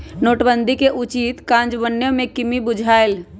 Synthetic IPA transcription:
noːʈbə̃nd̪ikeʔʊt͡ʃiːt̪kãːnd͡ʒʋənːjõmẽkɪmibʊd͡ʒʱaːel

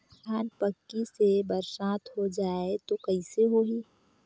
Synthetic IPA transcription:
kaːnpəkːisebɐɾsãːt̪ɦod͡ʒaːet̪okɐɪseɦoɦiː

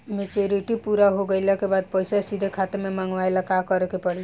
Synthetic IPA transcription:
met͡ʃoɾiʈipuɾaɦoɡəɪlakebad̪̚pəjsasid̪ʱekʰat̪ememəŋɡʋaelakakəɾekepəɽi

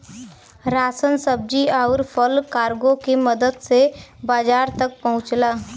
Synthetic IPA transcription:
ɾaːsənsəb̚d͡ʒiaːɾpʰəlkaːɾɡõkeməd̪əd̪sebaːd͡ʒaːɾt̪ɐk̚pɐɦʊ̃t͡ʃlaː

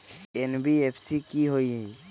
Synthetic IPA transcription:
enbiepʰsikiɦoj

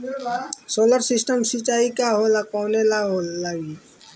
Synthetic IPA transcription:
soləɾsɪsʈəmsit͡ʃaːikaɦolakɔːnelaɦolaɡi

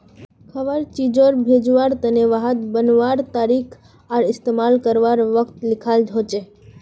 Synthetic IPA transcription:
kʰəʋəɾt͡ʃid͡ʒoɾbʱed͡ʒʋaɾt̪əneʋaɦət̪bənʋaɾt̪aɾikʰ | aɾɪst̪emalkəɾʋaɾʋəkt̪lɪkʰald͡ʒʱot͡ʃe

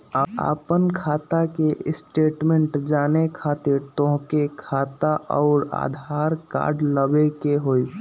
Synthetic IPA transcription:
aa̰ːpənkʰaːt̪akeɪsʈeːʈmẽɳʈd͡ʒaːnekʰaːt̪ɪɾt̪õɦkekʰaːt̪aʔɔːɾa̰ːd̪ʱaːɾka̰ːɾɖləbekeɦoːi

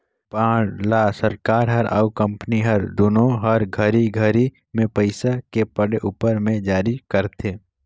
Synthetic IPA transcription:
pãːɽlaːsəɾkaːɾɦɐɾa̰ukə̃mpəniɦɐɾd̪onõɦəɾɡʱəɾiɡʱəɾi | mẽpəɪsakepəɽeʔuːpəɾmẽd͡ʒaːɾikəɾt̪ʰeː

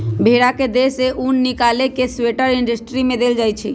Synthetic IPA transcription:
bʱeɽaked̪eseʔunːikalekesweʈəɾiɳɖəsʈɾimẽd̪eld͡ʒaːjt͡ʃʰi

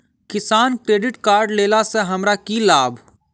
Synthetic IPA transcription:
kɪsaːnkɾeːɖɪʈkaːɾɖleːlaseɦɐmɾakilaːbʱ

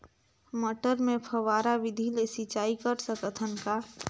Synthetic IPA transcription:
məʈəɾmẽpʰəʋaɾaʋid̪ʱilesit͡ʃaikəɾsəkət̪ʰənka

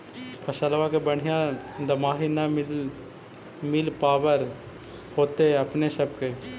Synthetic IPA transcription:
pʰəʃəlʋãkebəɽ̤ɪjãd̪əmaːɦina | mɪlpaːʋəɾ | hoːt̪eɐpnesəb̚ke

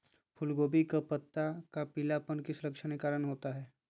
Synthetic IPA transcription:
pʰʊlɡoːbikapɐt̪ːakapɪlapənkɪsɾəkʃənekaːɾənɦoːt̪aɦɛː

